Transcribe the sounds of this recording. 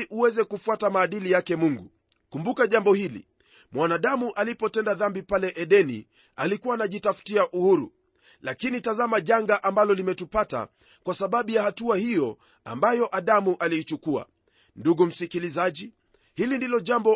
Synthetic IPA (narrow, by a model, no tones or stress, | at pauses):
ʔuwɛzɛkufwatamaːɗilijakɛmuŋɡṵ | kumbukaʄambɔhilḭ | mwanaɗamuʔalipɔtɛndaðambipalɛʔɛɗɛnḭ | alikuwaːnaʄitafu̥tiaʔuhuɾṵ | lakinitazamaʄaŋɡaʔambalɔlimɛtupata̰ | kwasaɓaɓujahatuahijɔ | a̰mbajɔʔaɗamuʔaliːt͡ʃukua̰ | nduɡum̩sikilizaʄi | hilindilɔʄambɔ